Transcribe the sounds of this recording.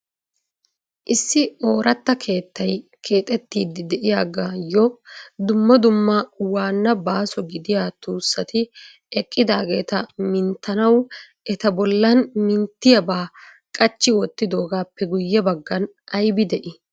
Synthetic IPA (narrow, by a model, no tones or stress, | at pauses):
ʔɪsːɪo̞ːɾɐt̪ːɐkʰe̞ːt̪ːɐjkʰe̞ːt̪ʼɛt̪ːiːd̪ɪd̪ɛʔɪjaːɡaːjɔd̪ʊmːɐd̪ʊmːɐwaːnːɐbaːsɔɡɪd̪ɪjaːt̪uːsːɐt̪ɪ | ɛkʼːɪd̪aːɡe̞ːt̪ɐmɪnt̪ːɐnɐw | ɛt̪ɐbɔlːɐnmɪnt̪ːɪjɐbaː | kʼɐt͡ʃːɪwɔt̪ːɪd̪o̞ːɡaːpːɛɡʊjːɛbɐɡːɐn | ɐjbɪd̪ɛʔɪ